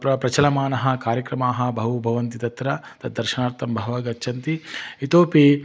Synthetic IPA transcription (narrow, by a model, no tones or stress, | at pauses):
pɾɐpɾɐt͡ʃɐlɐmaːnɐɦɐ̆kaːɾjɐkɾɐmaːɦɐ̆bʱɐɦubʱɐʋɐnt̪it̪ɐt̪ɾɐt̪ɐd̪̚d̪ːɐɾʃɐnaːɾt̪ɐmbʱɐɦʋaːɡɐtːt͡ʃʰɐnt̪iit̪oːpi